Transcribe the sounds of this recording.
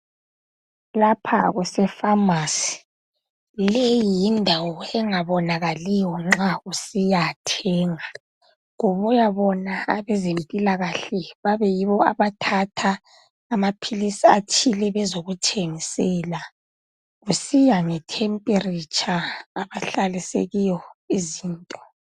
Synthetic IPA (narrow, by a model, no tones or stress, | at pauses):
lapʰa̰ɣɛsɛfamaːsi̥ | lejijindʱawɔɛŋaβɔnaɣalijɔŋ͡ǁausijatʰɛːŋa | ŋuβujaβɔnaaβɛzempʼilaɣaɬɛβaβɛjiβɔaβatʰatʰaː | mapʰilisiat͡ʃʰilɛβɛzoɣut͡ʃʰʼeŋisɛla | ɣusijaŋɛtʰɛmpʼerit͡ʃʰʼaːβaɬalisḛɣijɔiziːntʼɔ̥